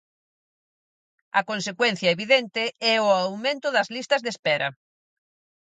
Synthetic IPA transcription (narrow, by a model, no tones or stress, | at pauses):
ɐkonsekwɛn̟θjɐeβiðɛnt̪ɪɛʊawmẽnt̪ʊðɐzlist̪ɐzðespɛɾɐ̰